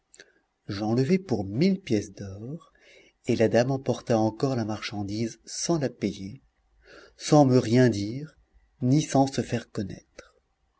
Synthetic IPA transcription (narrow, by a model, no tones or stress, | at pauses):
ʒɑ̃ləvɛpuʁmilpjɛsd̪ɔʁ | elad̪amɑ̃pɔʁt̪aɑ̃kɔʁlamaʁʃɑ̃d̪izsɑ̃lapeje | sɑ̃məʁjɛ̃d̪iːʁ | nisɑ̃səfɛʁkɔnɛ̰t̪χ